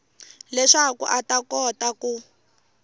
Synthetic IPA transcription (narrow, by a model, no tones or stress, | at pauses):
lɛʂakṵʔatakɔtaku